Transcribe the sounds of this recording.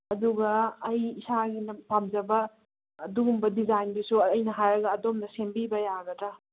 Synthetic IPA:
ɐduɡɐːjisaɡinɐpamd͡ʒɐbɐː | duɡumbɐdizajndisuɐjnɐɦajɾɐɡɐːdomnɐsembibɐjaɡɐtɾɐ

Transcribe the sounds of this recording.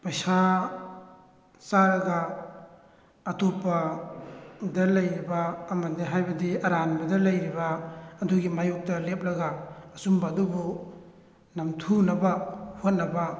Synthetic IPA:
pɐjsa | saɾɐɡa | ɐtopːɐ | dɐlɐjɾibaːmɐdiɦajbɐdiɐɾanbɐdɐlɐjɾibɐɐduɡimajuk̚tɐlep̚lɐɡaːsumbɐːdubu | nɐmtʰunɐbɐhot̚nɐba

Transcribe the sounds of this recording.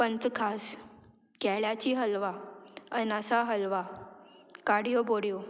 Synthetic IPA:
pənt͡skʰas | kɛɭjat͡ɕiːɦəlʋaənəsaɦəlʋa | kaɽijoboɽijo

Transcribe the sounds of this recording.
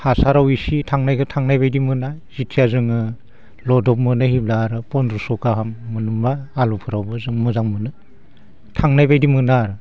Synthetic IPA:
hasaɾawisitʰaŋnajkʰɯtʰaŋnajbajdimɯna | zitsʰiazɯŋɯ | lɔdɔp̚mɯnɯhiblaɾɯpɔndɾusɔkaɦamːɯnumbaːlupʰɯɾawbɯzɯŋmɯzaŋmɯnɯ | tʰaŋnajbajdimɯnaɾɯ

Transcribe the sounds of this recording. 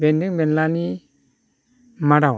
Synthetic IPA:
bɛndɯŋbɛnlani | maɾaw

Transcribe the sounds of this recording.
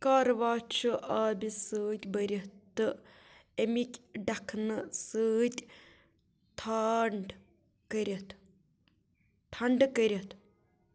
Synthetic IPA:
kaːɾʋaːt͡ʃʰɨʔaːbisəːt̪ʲbəɾʲɐt̪ːɨ | emikʲɖɐkʰnɨsəːt̪ʲ | t̪ʰaɳɖ | kəɾʲɐt̪ | t̪ʰɐɳɖkəɾʲɐt̪

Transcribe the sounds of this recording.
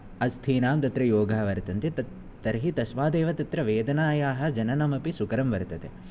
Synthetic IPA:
ɐst̪ʰiːnaːmt̪ɐt̪ɾɐjoːɡʱɐɦʋɐɾt̪ɐnt̪et̪ | t̪ɐɾɦit̪ɐsʋaːd̪eːʋɐt̪ɐt̪ɾɐʋeːd̪ɐnaːjaːɦɐ̆d͡ʒɐnɐnɐmɐpisukɐɾɐmʋɐɾt̪ɐt̪ḛ

